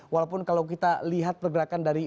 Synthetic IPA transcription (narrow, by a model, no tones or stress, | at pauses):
walawpʊnkalawk̬it̪aliɦat̪̚pərɡəɾakandaɾi